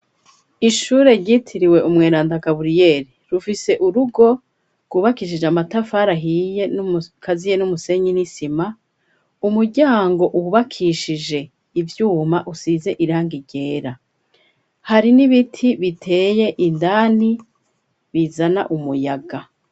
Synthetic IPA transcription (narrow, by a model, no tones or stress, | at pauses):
iʃuːɾe̞ɾɟiːtʰiɾiwe̞ʔumŋeːɾaːndakaβuɾije̞ːɾiɾufise̞ʔuɾuɡo̞ | kuβakiʃ̬id͡ʒamatafaɾaɦije̞kʰazijenumuse̞ɲinisima | umuɾɟaːŋɡo̞ʔuhuβakʰiʃid͡ʒe̞ | ivjuːmaʔusiːze̞ʔiɾaːŋɡiɟe̞ːɾa | haɾiniβitʰiβitʰe̞ːje̞ʔindaːni | βizana̰ʔumujaɡa